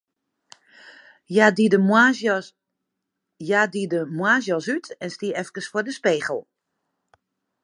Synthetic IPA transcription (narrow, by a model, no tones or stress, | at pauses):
jadidəmwaːzjɔsytʰɛnstiəɛfkəsfodəspeːɣəl̩ˠ